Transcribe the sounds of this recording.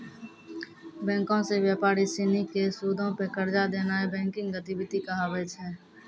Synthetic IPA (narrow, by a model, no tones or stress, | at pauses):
bɛ̃ːŋkõsewjaːpaːɾisɪːnikːesuːd̪ʱõpekəɾd͡ʒad̪eːnaebɛ̃ːŋkɪ̃ŋɡɡət̪ibɪt̪ikaaːʋeːd͡ʒɦɛː